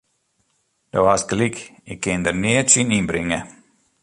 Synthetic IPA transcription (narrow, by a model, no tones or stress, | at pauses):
d̥oasklikɪkʰːɪndərnɪətsininbɾɪŋə